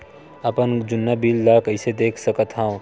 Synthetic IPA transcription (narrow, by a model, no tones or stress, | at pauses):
ɐpənd͡ʒʊnːabilːakɐɪsed̪eːkʰsəkət̪ɦã